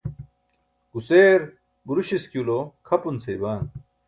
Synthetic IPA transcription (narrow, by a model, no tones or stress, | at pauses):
ɡuseːɾ | buɾuɕiskjulokʰɐpunsejbaːn